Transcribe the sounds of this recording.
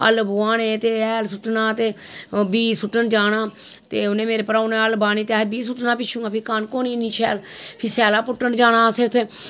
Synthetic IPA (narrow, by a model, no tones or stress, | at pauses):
ə̰lbʊːãːnẽːt̪eːɛːlsʊʈnãːt̪eːbiːsʊʈːənd͡ʒaːnaːt̪eːʊnẽːmeːɾeːpəɾaːneəlbaːniːt̪eaːɦebiːs̬ʊʈnãːpɪt͡ʃʰːũːaːpʰɪkaːnkoːniːnĩːt͡ʃʰɛ̰ːlpʰɪsɛːlaːpʊʈːənd͡ʒaːnãːsɪɾt̪ʰ